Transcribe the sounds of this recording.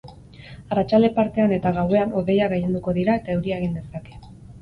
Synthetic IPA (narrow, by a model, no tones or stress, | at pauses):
arat͡ʃald̪e̞paɾt̪e̞ane̞t̪aɣawe̞ano̞ðe̞jaɣejend̪uko̞ðiɾae̞t̪ae̞wɾiaeɣ̞ind̪e̞sake̞̥